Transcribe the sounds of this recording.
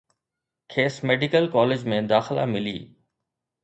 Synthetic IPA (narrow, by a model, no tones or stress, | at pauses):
kʰeːsmeːɖɪkəlkɔːleːd͡ʑmẽd̪aːxɪla̰mɪlḭː